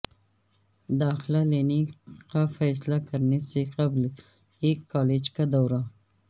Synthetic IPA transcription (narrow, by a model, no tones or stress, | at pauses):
d̪ɑxlaleniqafajslakaɾnisiqabl | ikːɑled͡ʒkad̪awɾa